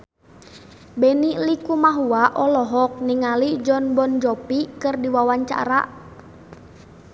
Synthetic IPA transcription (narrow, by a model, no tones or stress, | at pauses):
bɛnilikumaɦuaʔɔlɔɦɔk̚niŋalid͡ʒɔnbɔnd͡ʒɔpikɨrdiwawaɲt͡ʃa̰ɾa̰